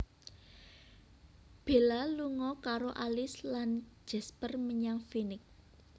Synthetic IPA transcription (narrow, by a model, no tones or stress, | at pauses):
b̥e̤laluŋɔkaɾoʔalɪslan̥d͡ʒ̥ɛ̤spərməɲaŋfinɪk̚